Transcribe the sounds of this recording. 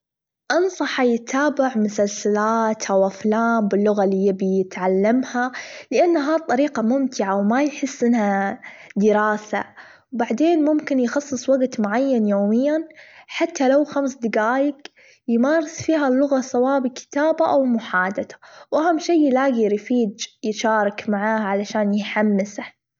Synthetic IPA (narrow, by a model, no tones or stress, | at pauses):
ʔɑnsˤɑħajɪt̪ʰaːbaʕmʊsalsalaːt̪ʔawʔaflaːmbɪlːʊɣalːijɪbijɪt̪ʕalːamhalɪʔanːɦat̪ˤːɑɾiːqɑmʊmt̪ɪʕawmajħɪsːʔɪnːhad̪ɪɾɑːsa̰ | wbaʕd̪eːnmʊmkɪnjxɑsˤːɨsˤwaɡt̪mʊʕajːanjoːmɪjːanħat̪ːalawxamsd̪ɪɡaːjɪɡ | jmaːɾɪsfiːɦalːʊɣasawaːʔbɪkɪ̥t̪aːbaʔawmʊħaːd̪at̪ḁwʔahamʃiːjːɪlaːɡiɾfiːd͡ʒjɪʃɑːɾˤɑkmaʕaːʕalaʃaːnjħamːɪsa